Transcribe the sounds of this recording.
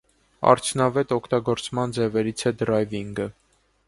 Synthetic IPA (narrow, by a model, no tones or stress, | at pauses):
ɑ̰ɾt͡sʰjunɑvɛt̪ɔkʰt̪ɑɡɔɾt͡smɑnd͡zɛvɛɾit͡sʰɛd̪ɾɑjviŋɡə